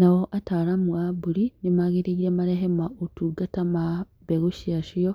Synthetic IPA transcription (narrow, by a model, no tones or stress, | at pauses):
nawoʔataɾamuabuɾinimaɣiɾiiɾemaɾeɦemaʔutuɡatama | beɣuʃiaʃijo